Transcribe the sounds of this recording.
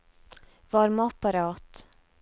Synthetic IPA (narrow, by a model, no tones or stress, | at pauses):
vaɾmaapːaɾɑːt̪